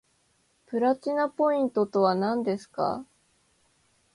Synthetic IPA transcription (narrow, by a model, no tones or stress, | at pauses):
pɯ̟ɾat͡ɕinapo̞ĩnt̪o̞t̪o̞βanãnd̪e̞sɨ̥ka̰